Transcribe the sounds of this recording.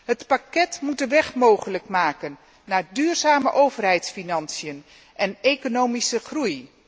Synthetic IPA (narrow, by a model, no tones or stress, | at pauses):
ɦətpakɛtmut̚dəʋɛχmowχələkmaːkənː | aːɹdyːrzaːməʔowvərɦɛjtsfinɑnsijən | ʔɛnekonowmisəχruj